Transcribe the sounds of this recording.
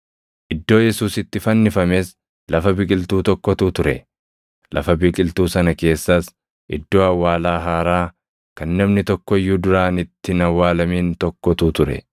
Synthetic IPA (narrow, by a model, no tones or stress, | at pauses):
ʔɪd̪ːo̞ːjɛsuːsɪt̪ːɪfɐnːɪfɐmeːs | lɐfɐbɪkʼɪlt̪uːt̪ɔkːɔt̪ut̪ʊɾɛ̰ | lʔɐ̰fɐbiːkʼɪlt̪uːsɐnɐke̞ːsːɐs | ʔɪ̰d̪ːo̞ːɐwːaːlaːɦaːɾaː | kɐnːɛbnɪt̪ɔkːɔɪjːuːd̪ʊɾaːnɪt̪ːɪnɐwːaːlɐmiːnt̪ɔkːɔt̪ut̪ʊɾɛ̰